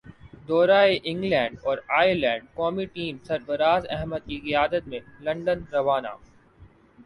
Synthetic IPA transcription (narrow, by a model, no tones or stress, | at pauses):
d̪ɔːɾaːeʔɪ̃ŋɡlɛ̃ːɳɖɔːɾaːjlɛ̃ːɳɖ̚kɔːmiʈiːmsɐɾbəɾaːzɛɦməd̪̚kikɪjaːd̪ət̪mẽlɐ̃ɳɖənɾɐʋaːna̰ː